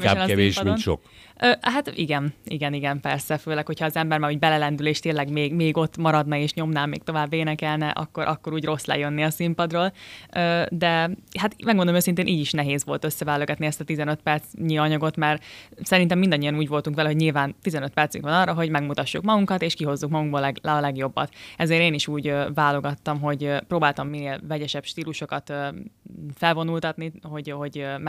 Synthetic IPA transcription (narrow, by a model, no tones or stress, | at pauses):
ɛɛnɛeːʃdiʃo̰k | øːɦat̪ḭɡɛniɡɛniɡɛmpɛrsɛføːlɛkho̞cʰhɒːzɛmbɛrmaːɾuːɟbɛlɛlɛnd̪yleːʃt̪eːnlːɛɡmeːɡmeːɡo̞t̪ːmɒɾɒd̪nɒeːʃɲo̞mnaːmḛːk̚t̪o̞vaːbːeːnɛkɛlnɛʔɒ̰kːo̞ɾʔɒkːo̞ɾuːɟro̞slɛ̰jønːiɒsimpɒd̪roːløːd̪ɛɦat̪mɛɡmonomøsint̪eːnʔiːɟiʃnɛɦeːzʋo̞lt̪ø̞sːɛvɛlːøɡɛt̪niɛst̪ɒt̪izɛnøt̪pɛrt̪sɲiɒɲɒɡo̞t̪mɛrsɛɾint̪ɛmːind̪ɒɲːijɒnuːɟvo̞lt̪uŋkvɛlɛɦo̞ɟɲilvaːnt̪izɛnøt̪pɛrt̪sy̰ŋkʋɒnɒrːɒɦo̞ɟmɛɡmut̪ɒʃːukmɒɡuŋkɒt̪eːʃkiɦo̞zːukmɒɡuɡboːlɛɡlɛɒlɛɡjo̞bːɒ̰t̪ɛzeːɾeːniʃuːɟøvaːlo̞ɡɒt̪ːɒmɦo̞ɟpɾoːbaːlt̪ɒmːineːlvɛɟɛʃɛpʃt̪iːluʃo̞kɒt̪ø | fɛlvo̞nult̪ɒt̪niho̞ɟho̞ɟm